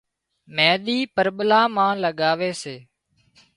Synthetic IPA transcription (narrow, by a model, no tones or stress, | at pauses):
mɛ̃ːɗ̪iːpəɾɓlaːmãːləɠaːʋeːseː